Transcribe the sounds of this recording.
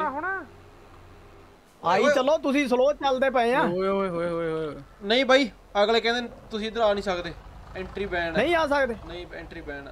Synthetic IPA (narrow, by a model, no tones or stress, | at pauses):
ɦonaː | aːiːt͡ʃəloːt̪̬ʊsĩːs̬əloːt̪̚t͡ʃəld̪eːpəeãːɦoːeɦoːeɦoːeɦoːeɦoːonəĩːbʱaːiː | əɡleːkɛ̃ːnd̪eːt̪ʊsĩːd̪əɾaːnĩːsəkd̪eːɛ̃ːɳʈɾiːbɛːnnəĩːaːs̬əkd̪eːnəĩːɛ̃ːɳʈɾiːbɛːnː